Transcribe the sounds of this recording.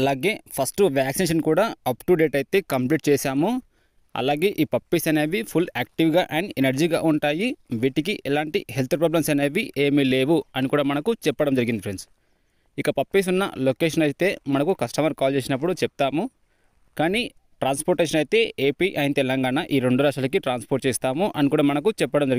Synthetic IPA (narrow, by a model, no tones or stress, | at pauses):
ɐlaːɡe̞ːpʰɐsʈuʋaːksineːʃɐnkuːɽaːɐpʈuɖe̞ːʈɐjt̪e̞ːkɐmpliːʈ̚t͡ʃɛːsaːmu | ɐ̰laːɡe̞ːʔiːpɐpːisɐneːʋipʰulaːk̚ʈiʋɡaːʔanenɐɾd͡ʒiːɡa̰ːʔuɳʈaːjiʋiʈik̬iʔɛlaːɳʈiɦelt̪ʰpɾaːblɐmsɐneːʋiʔe̞ːmileːʋuɐnikuːɽaːmɐnɐkut͡ʃɛpːɐɽɐmd͡ʒɐɾiɡind̪ipɾens | ikɐpɐpːis̬unːɐ̰lokeːʃ̬ɐnɐjit̪e̞ːmɐnɐkukɐsʈɐmɐɾkaːlt͡ʃeːsinɐp̬ːuɽut͡ʃɛp̚t̪aːmu | kaːni | ʈɾaːnspoɾʈeːʃ̬ɐnɐjt̪e̞ːʔeːpiːʔɐjint̪ɛlɐŋɡaːnaʔiːɾeɳɖuɾaːʂaːlɐkiʈɾaːnspoɾʈ̚t͡ʃɛːst̪aːmuʔɐnikuːɽaːmɐnɐkut͡ʃɛpːɐɽɐmd͡ʒɐɾ